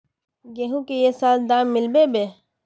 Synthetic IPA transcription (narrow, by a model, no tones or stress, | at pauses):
ɡeːɦũkejesaːld̪aːmːɪlbebe